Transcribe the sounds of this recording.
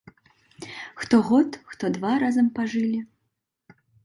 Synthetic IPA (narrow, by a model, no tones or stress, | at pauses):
xt̪ɔɣɔt̪xt̪ɔd̪vaɾazɐmpaʐɨlʲi